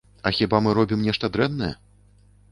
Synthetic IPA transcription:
ɐxʲibamɨɾɔbʲimnʲɛʂt̪ɐd̪ɾɛnːɐjɛ̰

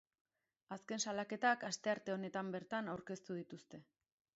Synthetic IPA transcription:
aske̞nsalake̞t̪akast̪e̞aɾt̪e̞o̞ne̞t̪ambe̞ɾt̪anawɾke̞st̪uð̞it̪ust̪e̞

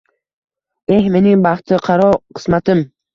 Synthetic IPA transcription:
e̞hme̞nɪŋbɑχt̪ʰɪqʰɑɾɒqʰɨ̥smat̪ɪm

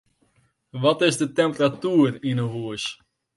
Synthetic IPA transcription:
ʋɔtɪsdətɛmpəratyːərinəʋuəs

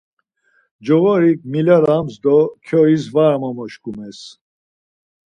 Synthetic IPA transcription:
d͡ʒɔvɔɾik̚milaɾamzd̪ɔkʰɔizvaɾmamɔʃkumɛs

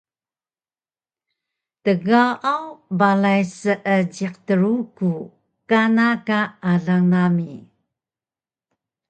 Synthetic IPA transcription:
təɡawawbalajsəʔəd͡ʑiq̚təɾuku | kanakaːɮaŋnami

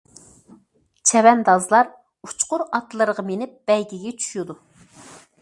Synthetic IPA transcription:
t͡ʃʰɛvɛnd̪ɑzlˠɑɾ | u̥t͡ʃqʊɾɑt̪lˠəɾəʁɑmenɪp̚b̥ɛjɡʲiɡʲɛt͡ʃʰy̥ʃud̪u

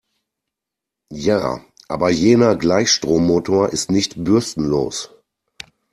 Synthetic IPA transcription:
ja̰ː | ʔa̰ːbɐjeːnɐɡlaɪçʃtʁ̥oːmːoːtʰoːɐʔɪstnɪçtbʏɐstn̩lo̰ːs

